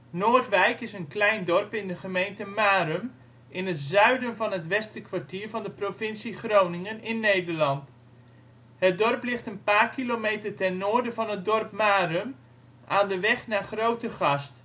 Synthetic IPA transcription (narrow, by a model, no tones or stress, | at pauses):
noːrtʋɛjkɪsənklɛjndɔrpɪndəχəmejntəmaːrəm | ʔɪnətzœɥdənvɑnɦətʋɛstəkʰʋaɹtiːɹvɑndəprofɪnsiχrownɪŋənɪnːejdəɹlɑnt | hət̚dɔrplɪχtənpaːrkilomejtərtɛnːoːɹdəvɑnɦət̚dɔrpmaːrəm | ʔaːndəʋɛχnaːχrowtəχɑst